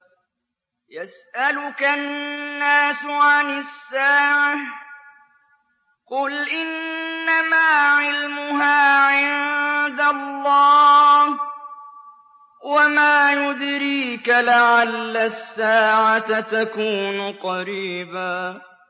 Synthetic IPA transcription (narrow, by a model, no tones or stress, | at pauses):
jasʔalʊkaː | aːsʕanɪsːaːʕa | qʊlʔɪnːamaːʕɪlmʊɦaːʕɪnd̪alˤːɑː | wamaːjʊd̪ɾiːkalɪʕalːasːaːʕat̪at̪akuːnʊqɑɾiːbaː